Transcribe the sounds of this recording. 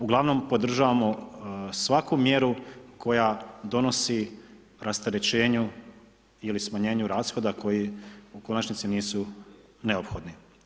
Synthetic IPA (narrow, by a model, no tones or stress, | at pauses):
uɡlˠaʋno̞mpo̞d̪r̩ʒaʋamo̞sʋakumje̞ɾukʰo̞jad̪o̞no̞si | ɾast̪eɾet͡ɕe̞ːɲu | ilismaɲe̞ːɲuɾaːsxo̞d̪ako̞jiuko̞nat͡ʃnit̪siniːsu | ne̞o̞pxo̞d̪ni